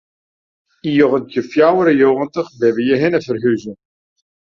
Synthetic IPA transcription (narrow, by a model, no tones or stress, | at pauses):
ijoɣəntjəfjawəɾəjoɣəntəχbɛvəjəɦɪnəvərɦyzə